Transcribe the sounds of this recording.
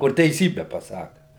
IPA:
kʊr tʲɛɪˈsʲiːbʲɛ pɐˈsɑːkɐ

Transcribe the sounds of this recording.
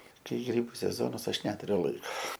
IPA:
ˈkɐɪ ˈɡrʲiːbʊ sʲɛˈzoːnɐs ˈɐʃ ˈnʲæːtʊrʲʊ lˠɐɪk

